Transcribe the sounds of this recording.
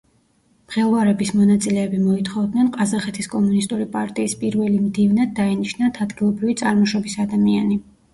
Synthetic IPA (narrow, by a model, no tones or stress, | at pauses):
mχɛlˠvaɾɛbismɔnat̪sʼilɛːbimɔit̪ʰχɔvd̪nɛnqʼazaχɛt̪ʰiskʼɔmunist̪ʼuɾipʼaɾt̪ʼiːspʼiɾvɛlimd̪ivnad̪ːainiʃnat̪ʰad̪ɡilˠɔbɾivit̪sʼaɾmɔʃɔbisad̪amiani